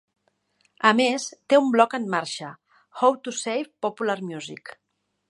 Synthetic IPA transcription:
əmest̪eumblɔkənːaɾʃə | xowt̪usejfpopulaɾmjuzik

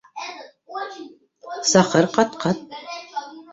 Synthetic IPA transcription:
saχərqɑt̪qɑt̪̚

